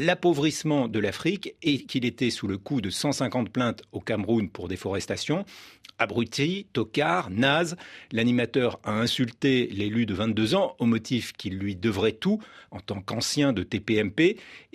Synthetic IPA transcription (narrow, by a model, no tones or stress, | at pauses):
lapovʁismɑ̃d̪əlafχikekilet̪ɛsuləkud̪əsɑ̃sɛ̃kɑ̃t̪̚plɛ̃t̪okamʁunpuʁd̪efɔʁɛst̪asjɔ̃abʁyt̪it̪ɔkaʁnazlanimat̪œʁaɛ̃sylt̪elelyd̪əvɛ̃t̪̚d̪øzɑ̃omɔt̪ʰifkʲilːɥid̪əvʁɛt̪uɑ̃t̪ɑ̃kɑ̃sjɛ̃d̪ət̪epeɛmpe